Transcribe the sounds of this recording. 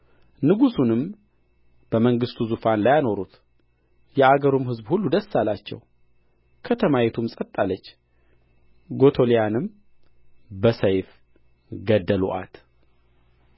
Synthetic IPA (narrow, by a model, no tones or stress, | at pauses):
nɨɡusunɨm | b̥əməŋɡɨst̪ʰuzufanlajano̞ɾut̪ | jɛʔaɡəɾumhɨzbhulːud̪əsːalat͡ʃːɛ̰w | kʰət̪ʰəmajɛt̪ʰumsʼət̪ʼːalːət͡ʃː | ɡo̞t̪ʰo̞lijanɨm | bəsəjf | ɡəd̪ːəlṵʔa̰t̪